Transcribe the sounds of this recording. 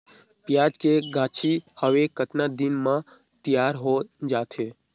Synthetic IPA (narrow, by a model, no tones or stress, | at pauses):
pjad͡ʒkeɡʱãːt͡ʃʰihəʋekət̪nad̪inmã | t̪ijaɾɦod͡ʒaːt̪ʰe